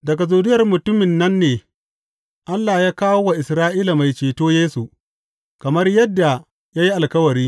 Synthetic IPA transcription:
dɐ˨ɡa˨zuː˨dɪ˦jɐ˨rmʊ˨tʊ˦mɪ˨nːɐ˦nːeː˨ | ʔa˦lːaː˨jaː˦kaː˦woː˦wa˨ʔɪ˨sɾaː˦ʔiː˦la˨ma˨jt͡ʃeː˨toː˦jeː˦su˨ | kɐ˨mɐ˦rjɐ˦dːa˨ | jaː˦ji˦ʔa˨lkɐ˦wɐ˨ɾiː˦

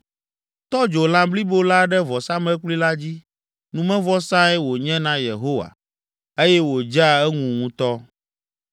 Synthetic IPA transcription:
t̪ɔ˦d͡ʒo˨lã˨bli˦bo˦la˦ɖɛ˦vɔ˨sã˦mɛ˦k͡pli˦la˦d͡ʑi˦ | nũ˨mɛ̃˦vɔ˦sã˦ɛ˦wo˨ɲɛ̃˦nã˦je˨ɦo˦wa̰˨ | e˦jɛ˦wo˨d͡ʒa˦ɛ˦ŋũ˨ŋũ˦t̪ɔ˦

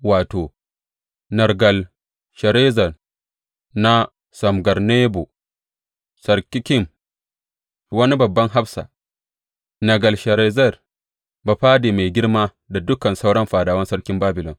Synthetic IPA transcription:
waː˨toː˨ | nɐ˨ɾɡɐ˨l | ʃɐ˨ɾe˦zɐ˨r | na˦ | sɐ˨mɡɐ˨ɾne˦bo˨ | sɐ˨ɾkʲi˦kʲi˦m | wɐ˦ni˦bɐ˨bːɐ˦ŋɦa˦ɸsa̰˨ | nɐ˨ɡɐ˨lʃɐ˨ɾe˨zɐ˦˨r | ba˨ɸaː˦de˨me˨jɡʲɪ˦ɽma˦ | da˨dʊ˦kɐ˨nsa˦wɽɐ˦mɸaː˨daː˨wɐ˦nsɐ˦ɽkʲi˦mbaː˦bɪ˨lɔ̰˨n

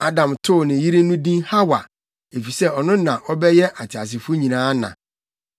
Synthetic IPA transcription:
a˦dã˨mtʰʊ˦˨nɪ̃˨ji˦ɾe˦nũ˦dĩ˦nha˦wa˨ | e˨fi˨sɛ˦ɔ˨nʊ̃˦nã˨ʔɔ˦bɛ˦jɛ˦ʔa˨tʰa˨s̬ɪ˨fʊ˦ɲĩ˨nãː˦nã̰˨

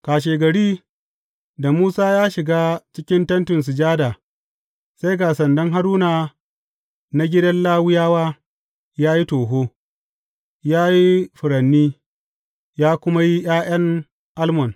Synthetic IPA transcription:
kaː˨ʃ̬eː˨ɡɐ˨ɽiː˦ | da˨muː˦saː˦jaː˦ʃɪ˨ɡaː˦t͡ʃɪ˦kʲɪ˦ntɐ˦ntʊ˨ns̬ɪ˨d͡ʒaː˦da˨ | sa˦jɡaː˨sɐ˨ndɐ˦ŋɦa˦ɽuː˦naː˨ | na˦ɡʲɪ˦dɐ˦nlaː˦wʊ˦jaː˦waː˦ | jaː˦ji˦toː˨ɦoː˦ | jaː˦ji˦ɸʊ˨ɾɐ˨nːiː˦ | jaː˦kʷʊ˦ma˦ji˦j̰aː˦ʔɐ˦ŋ | ʔa˦lmɔ˨n

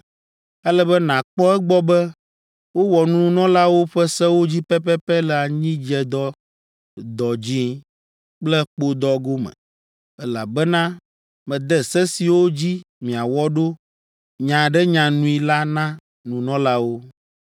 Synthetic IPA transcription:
ɛ˦lɛ˦bɛ˦nã˨k͡pɔ˦ɛ˦ɡ͡bɔ˦bɛ˦ | wo˦wɔ˨nũ˦nɔ̃˦la˦wo˦ɸɛ˦sɛ˦wo˦d͡ʑi˦pɛ˦pɛ˦pɛ˦lɛ˨a˨ɲĩ˦d͡ʒɛ˨d̪ɔ˦ | d̪ɔ˨d͡ʑi˦ | k͡plɛ˦k͡po˦d̪ɔ˦ɡo˦mɛ̰̃˨ | ɛ˦la̰˨bɛ˦nã˦ | mɛ̃˨d̪ɛ˦sɛ˦si˨wo˦d͡ʑi˦mĩ˨a˨wɔ˦ɖo˦ | ɲã˨ɖɛ˦ɲã˨nũ˦i˨la˦nã˦ | nũ˨nɔ̃˦la˦wo˦

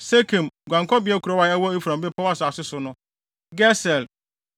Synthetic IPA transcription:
se˦kʰẽ˨mɡʷã˨ŋkʰɔ˦bɪ˨˦ɛ˦kʰu˨ɾɔ˦wa˦ɛ˦wɔ˦e˦fu˨ɾã˨mbɪ˦pʰɔ˦wa˦sʊ˨a˨sɪ˦sʊ˨nʊ̃˦ | ɡɛ˦sɛ˨l

